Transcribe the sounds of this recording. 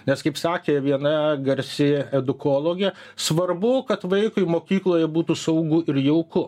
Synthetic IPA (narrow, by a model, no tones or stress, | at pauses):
nʲɛskɐɪpsɑːkʲeːʋʲiɛnɐɡɐɾʲsʲɪɛd̪ʊkoːlˠoːɡʲɛ | sʋɐrbʊkɐt̪ʋɐɪkʊɪmoːkʲiːklˠoːjɛbuːt̪uːsɐʊɡʊʔɪɾjɛʊkʊ